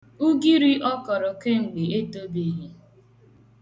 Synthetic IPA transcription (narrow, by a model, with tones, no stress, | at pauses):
u˦ɡi˦ɾi˦ʔɔ˦kɔ˨ɾɔ˨ke˦ŋ͡m̩˨ɡ͡be˨e˦to˦bi˦ɦi˦